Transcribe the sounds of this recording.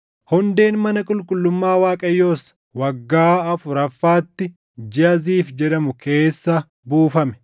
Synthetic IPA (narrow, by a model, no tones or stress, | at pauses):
hʊnd̪e̞ːnmɐnɐkʼʊlkʼʊlːʊmːaːwaːkʼɐjːo̞ːs | wɐɡːaːɐfʊɾɐfːaːt̪ːɪ | d͡ʒɪɐziːfd͡ʒɛᶑɐmʊke̞ːsːɐ | buːfɐmɛ̥